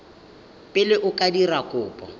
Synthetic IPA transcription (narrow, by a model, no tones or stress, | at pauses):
pʼɪlɪʔʊkʼadirakʼʊːpʼɔ̰